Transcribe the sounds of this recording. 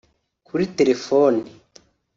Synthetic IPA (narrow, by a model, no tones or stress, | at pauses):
kʰuɾite̞ɾe̞foːni